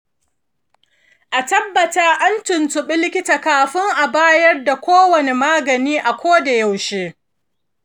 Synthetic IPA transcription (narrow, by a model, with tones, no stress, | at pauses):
ʔa˨tɐ˦bːɐ˨taː˦ʔa˦ntʊ˨ntʊ˨ɓɪ˦lɪ˦kʲɪ˦ta˨kaː˨ɸɪ˦ŋʔa˨baː˦jɐ˦rda˨kʷoː˦wɐ˨ne˨maː˦ɡɐ˨niː˦ʔa˨kʷoː˦da˨ja˨wʃeː˦